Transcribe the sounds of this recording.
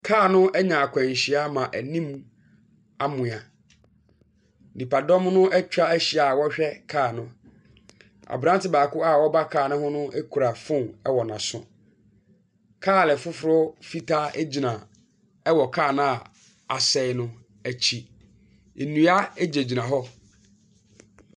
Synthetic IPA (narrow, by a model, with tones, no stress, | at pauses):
kʰaː˦˨nʊ̃˦ɛ˦ɲã˨a˨kʷʰɛ̃˨ɲ˨ɕi˨a˦mã˨ʔæ˨nĩ˦m | a˦mʊ̃˨a˨ | nĩ˨pa˨dɔ̃˦mnʊ̃˦ʔɛ˦t͡ɕᶣɾa˦æ˦ɕi˨a˨wɔ˦ɕᶣɛ˦kʰaː˦˨nʊ̃˦ | a̰˨bɾã˦n˦tɪ˦baː˨kʊ˦a˦wɔ˦ba˦kʰaː˦˨nʊ̃˦hʊ̃˦nʊ̃˦e˦kʰu˨ɾa˨fʊ̃˦˨ɛ˦wɔ˨nã˨sʊ̰̃˨ | kʰaː˦˨lɛ˨fʊ˦fʊ˨ɾʊ˦fi˦tʰa˦æ˦d͡ʑi˨nã˨ | ɛ˦wɔ˨kʰaː˦˨nã˦a˨ | a˨sɛ˦nʊ̃˦ | æ˨t͡ɕʰi˨ | e˨nũ˨a˦e˦d͡ʑe˨d͡ʑi˨nã˨ɦɔ˦